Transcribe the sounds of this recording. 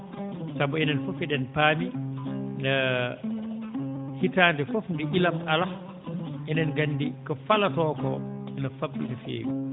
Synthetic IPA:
sabɔɛnɛnfofɛdɛnpaːminɛ | hitaːndɛfɔfndɛʔilamʔala | ʔɛnɛnɡanːdikɔfalatɔːkɔ̰ɛnafabːḭnɛfḛːwḭ

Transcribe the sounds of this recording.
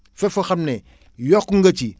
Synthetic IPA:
fɛfuxɐmnɛ | jɔkːuŋɡɐt͡ʃi

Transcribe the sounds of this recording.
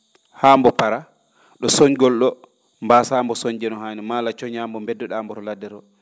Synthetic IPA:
haːmbɔpaɾa | ɗɔsɔɲɡɔlɗɔ | mbaːsaːmbɔsɔɲd͡ʒɛnɔhaːnimaːlat͡ʃɔɲambɔmbɛdːɔɗambɔɾɔladɛɾɔ

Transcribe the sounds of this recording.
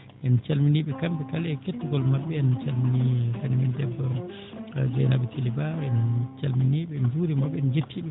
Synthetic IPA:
ʔɛnt͡ʃalminiɓɛkambɛkalɛketːuɡɔlmaɓːɛant͡ʃalminikanimɛndɛbːɔ | d͡ʒɔ̰jnaɓɛtʰilibaɛnt͡ʃalminiɓɛnd͡ʒuɾimaɓːɛɛnd͡ʒetːiɓɛ

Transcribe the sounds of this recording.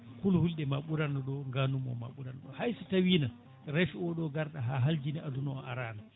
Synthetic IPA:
kulhulɗɛmaɓuɾanɗɔɗɔŋɡanumɔ̰ma̰ɓuɾanɗɔhajsutawiːna | ɾɛfiɔɗɔɡaɾɗaɦaɦald͡ʒiniʔadunɔɔʔaɾaːna

